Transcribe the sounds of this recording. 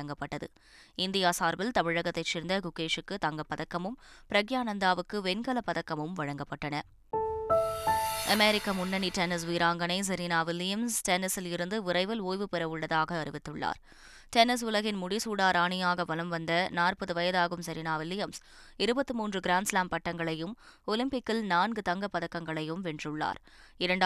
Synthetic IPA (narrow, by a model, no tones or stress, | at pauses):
ɐŋɡɐpːɐʈːɐðɯ̰ | ɪnd̪ɪjaːsaːɾbɪlt̪ɐmɪɻɐɣɐt̪ːɐɪt͡ʃːɪːɾnd̪ɐɡʊkːeːʂɯkːɯt̪ɐŋɡɐpːɐðɐkːɐmɯmpɪɾɐɣjaːnɐnd̪aːʋɯkːɯʋɛnɡɐlɐpːɐðɐkːɐmɯmʋɐɻɐŋɡɐpːɐʈːɐnɐ | ʔɐmɛɾɪkːɐmʊnːɐniʈɛnɪs̬ʋiːɾaːŋɡɐnɐɪs̬ɐɾinaːʋɪlːɪjɐmsʈɛnɪsɪlɪɾɯnd̪ɯʋɪɾɐɪʋɐloːjʋɯpɪɾɐʋɯɭːɐðaːɣɐːrɪʋɪt̪ːɯɭːa̰ːɾ | ʈɛnɪs̬ʊlɐɣɪnmʊɽɪsuːɽaːɾaːɳɪjaːɣɐʋɐlɐmʋɐnd̪ɐnaːrpɐðɯʋɐjɐðaːɣɯmsɐɾinaːʋɪlːɪjɐms | ɪɾɯbɐt̪ːɯmuːndrɯɡɪɾaːnslaːmpɐʈːɐŋɡɐɭɐjɯmɔlɪmpɪkːɪlnaːnɡɯt̪ɐŋɡɐpːɐðɐkːɐŋɡɐɭɐjɯmʋɛndrɯɭːa̰ːɾ | ɪɾɐɳɖ